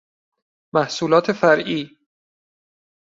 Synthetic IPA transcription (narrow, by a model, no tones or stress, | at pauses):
mæhsuːlɒːt̪ʰe̞fæɾʔiː